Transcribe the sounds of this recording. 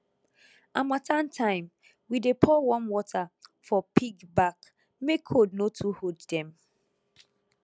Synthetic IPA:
amatʰãntʰãɪ̃m | widepʰɔwɔ̃nwɔtʰafɔpʰiɡbak | mekʰodnotʰuhoddɛ̃m

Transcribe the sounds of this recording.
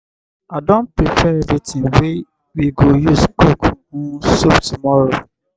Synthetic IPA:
adɔ̃npɹipʰɛebitʰĩŋwe | wiɡojuskok | usoptumɔɹo

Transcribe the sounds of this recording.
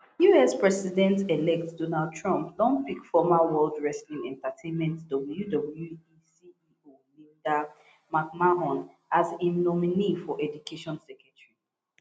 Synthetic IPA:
juɛspɹɛsidɛ̃ntelɛk̚tdonald̚tʰɹɔ̃mplɔ̃ŋpikfɔmawɛldɹɛslĩŋɛ̃ntatʰẽnmɛ̃ntdɔbl̩judɔbljuisiio | milda | mak̚maɦɔ̃n | azĩmnɔminifɔʔɛdukʰeʃɔ̃nsɛkɛtɹi

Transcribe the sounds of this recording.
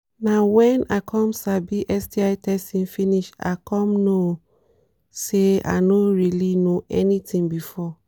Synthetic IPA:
nawɛ̃nakʰɔ̃msabiʔɛsdiaɪtʰɛstĩnfiniʃa̰kʰɔ̃mno | sea̰noɹilinoʔɛnitĩŋbifɔ

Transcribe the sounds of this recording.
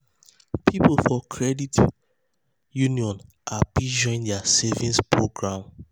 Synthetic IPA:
pʰiplˠfɔkʰɹɛdit | juniɔ̃n | ʔabid͡ʒɔ̃ĩndɛasɛvĩnspɹoɡɹãm

